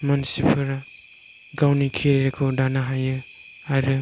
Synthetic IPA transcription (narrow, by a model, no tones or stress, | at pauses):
mɔnsipʰɯɾa | ɡawnikʰiɾeɾekʰɔdanaɦajɯ | aɾɯ